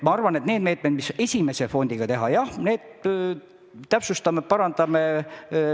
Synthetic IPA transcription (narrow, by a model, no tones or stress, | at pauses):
mɑɑrvɑne̞t̪neːd̪me̞ːt̪med̪̥mise̞sʲime̞se̞fo̞nʲd̪iɡ̥ɑt̪e̞ɦɑjɑhne̞ːd̪̥ | t̪ːæpsust̪ɑmepɑɾɑnd̪̥ɑme̞